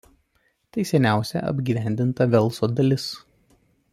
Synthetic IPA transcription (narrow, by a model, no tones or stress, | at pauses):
t̪ɐɪsʲɛnʲæˑʊsʲɛ̰ʔɐ̰bʲɡʲiːʋʲæˑnʲd̪ʲɪnt̪ɐʋʲɛlˠsod̪ɐlʲɪs